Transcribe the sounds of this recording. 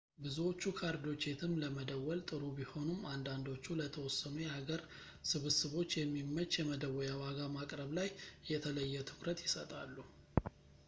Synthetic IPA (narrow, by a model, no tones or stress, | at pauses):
bɨzuwo̞t͡ʃːukʰaɾd̪o̞t͡ʃːe̞t̪ʰɨmləməd̪əwːɔlt̪ʼɨɾubiho̞nɨmand̪and̪o̞t͡ʃːulət̪ʰəwɔsːənujɛhaɡəɾ | sɨβɨsɨβo̞t͡ʃːjɛmːimːət͡ʃːjɛməd̪əwɔjawaɡamakʼɾəβlajjɛt̪ʰələjːɛt̪ʰɨ̥kʰʼɾət̪jɪsət̪ʼalːu